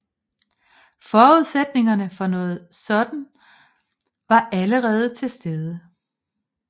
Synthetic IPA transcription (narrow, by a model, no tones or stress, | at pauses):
fɒːuð̞ˠsed̥ne̝ŋɐnəfɒ̽nɔ̽ːð̞̩ˠsɒ̽d̥n̩ | ʋɑ̈ʔæləʁɛːð̞̩ˠət͡sʰe̝lsd̥eð̞ˠə